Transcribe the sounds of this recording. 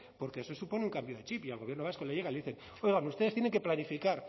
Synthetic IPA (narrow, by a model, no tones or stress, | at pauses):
po̞ɾkeeso̞supo̞neuŋkambjo̞ðe̞t͡ʃipialɣojeɾno̞βasko̞leʝeaileðiθen | o̞jɣanuse̞ðet̪jene̞ŋkeplanifikaɾ